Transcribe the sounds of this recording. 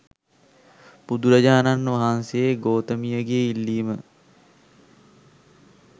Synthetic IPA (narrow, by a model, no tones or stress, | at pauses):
bud̪uɾɐd͡ʒaːnanːʋɐɦansejeɡoːt̪əmijəɡeeilːiːmə